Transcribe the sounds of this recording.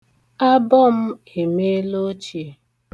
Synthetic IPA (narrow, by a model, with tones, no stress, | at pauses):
a˦bɔ˦m̩˦ | e˨me˦lo˦t͡ʃi˨e˦˨